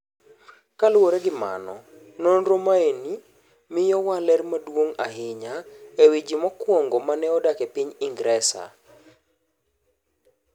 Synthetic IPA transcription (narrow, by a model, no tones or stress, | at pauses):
kalwoɾɛɡɪma̰nɔ̰ | nonɾomaeni | mɪjɔwalɛrmadwoŋa̰ɦɪɲaewid͡ʒimɔkwɔŋɡomanɛɔdakɛpiɲɪŋɡɾɛsa̰